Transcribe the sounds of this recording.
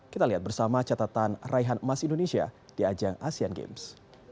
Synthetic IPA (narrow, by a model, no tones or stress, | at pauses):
kit̪aliɦat̪̚bərsamat͡ʃat̪at̪anraiɦanmasindonesia̰ | d̥iad͡ʒaŋasianɡḛms